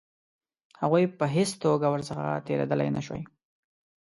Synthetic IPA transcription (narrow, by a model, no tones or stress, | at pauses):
haɣujpəɦɪst̪oɡawəɾsəxa̰t̪eɾḛd̪əla̰jnaʃwa̰j